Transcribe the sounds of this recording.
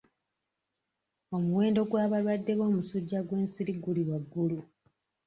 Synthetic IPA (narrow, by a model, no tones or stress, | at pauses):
o̞muwe̞ːndo̞ɡwaːβalwadːe̞βo̞ːmusuɟːaɡwe̞ːnsiɾiɡuliwaɡːulu